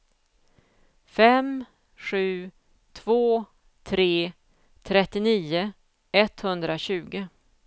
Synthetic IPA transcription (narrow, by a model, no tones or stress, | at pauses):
fɛm | ɧʉ̟ː | t̪ʰv̥oː | t̪ʰɾeː | t̪ʰɾɛt̪ːɪniːʊ | ɛt̪hɵnd̪ɾaɕʉ̟ːɡə